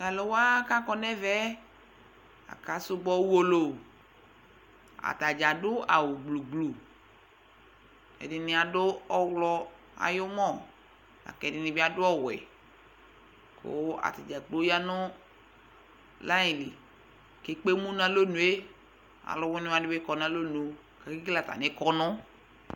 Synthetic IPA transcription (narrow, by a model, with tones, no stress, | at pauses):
la˨lo˨wa˦ka˦kɔ˨nɛ˦vɛ˦ | a̰˨ka˨˦sʊ˦ɡ͡bɔ˦wu˦o˦lo˨ | a̰˨ta˨d͡ʒa˨dʊ˦a˨wʊ˨ɡ͡blu˨ɡ͡blu˨ | ɛ̰˨dɪ˨nɪ̃˨a˨dʊ˦ɔ˦wlɔ˦ | a̰˨jo˦mɔ˦˨ | a̰˨kɛ˨dɪ˨nɪ̃˨bɪ˦a˨dʊ˦ɔ˦wɛ̰˨ | kʰʊ̰˦a̰˨ta˨d͡ʒa˨ɡ͡bo˦ja˦nʊ˦ | la˦jĩ˨lɪ˨ | ke˨˦k͡pe˦mũ˦nã˨lo˦nũ˨e˦ | a̰˨lɔ˨wʊ˦nʊ̃˦a˨dɪ˦be˦kɔ˨nã˦lo˦nu˨ | ka˨ki˦la˨ta̰˨nɪ˦kɔ˦nʊ̃˦